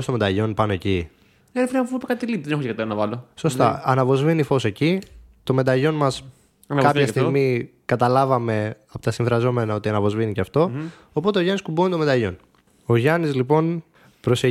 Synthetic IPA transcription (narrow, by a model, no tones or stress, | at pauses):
st̪omed̪ɐʝo̞npɐnoe̞ci | efɾefuipɐkɐat̪ilipiðenexoekɐt̪eɾɐnɐvɐloso̞st̪ɐɐnɐvo̞zvinifo̞se̞ci | t̪o̞me̞d̪ɐʝo̞nmɐs | kɐpçɐsst̪iɣmikɐt̪ɐlɐvɐme̞ɐpot̪ɐsĩɱvɾɐzo̞me̞nɐo̞t̪iɐnɐvo̞zviniceɐft̪o̞ː | po̞t̪e̞o̞ʝɐniskubonit̪omed̪ɐʝo̞n | oʝɐnizlipo̞n | pɾo̞se